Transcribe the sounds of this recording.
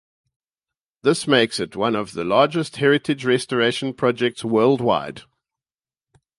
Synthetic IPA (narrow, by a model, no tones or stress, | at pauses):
ðɪsmeɪksɪtʰwʌ̃nəvðəlɑːd͡ʒəst̚hɛɹɪtʰɪd͡ʒɹɛstəɹeɪʃə̃npʰɹ̥ɔd͡ʒɛk̚tswɜːlˠdwa̰ɪd̥